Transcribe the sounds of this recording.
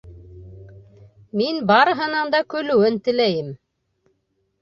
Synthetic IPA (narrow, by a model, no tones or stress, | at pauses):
minbɑɾɤ̆ɦɤ̆nɑnd̪ɑkɵ̆lɵ̆wɘnt̪ɘ̆læjɘm